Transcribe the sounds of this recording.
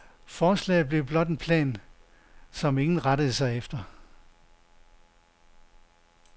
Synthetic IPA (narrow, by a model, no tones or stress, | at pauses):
fɒːslɛ̰ːð̩ˠb̥le̝ʊb̥lɒ̽d̥enpʰlɛ̰ːn | sɒ̽me̝ŋn̩ʁaɾəð̩ˠəsɑ̈ɪefd̥ɐ